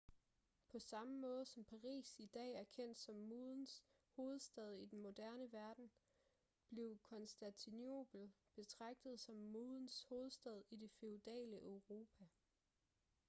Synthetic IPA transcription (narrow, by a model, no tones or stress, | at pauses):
pʰɒ̽sɑ̈məmɔ̽ːð̞ˠəsɒ̽mpʰɑ̈ʁḭːsid̥ɛ̰ːæɐkʰen̰d̥sɒ̽mːoðˠn̩s | ho̝ːð̞̩ˠsd̥ɛð̞ˠid̥enmo̝d̥æɐnəʋæɐd̥n̩ | b̥le̝ʊkʰɒ̽nsd̥ænt͡sʰino̝̰b̥l̩b̥e̝t͡sʰʁɑ̈ɡ̥̚d̥ð̩ˠsɒ̽mːoːðˠn̩sho̝ːð̞̩ˠsd̥ɛð̞ˠid̥e̝feud̥ɛ̰ːləʔøʊʁo̝ːpʰæ